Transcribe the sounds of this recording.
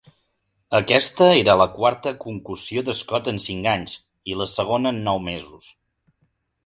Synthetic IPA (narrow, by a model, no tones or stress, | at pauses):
əkɛst̪əeɾələkwaɾt̪əkuŋklusioðəskɔt̪ənsiŋkaɲz | iləsəɣ̞onəːnːɔwmezus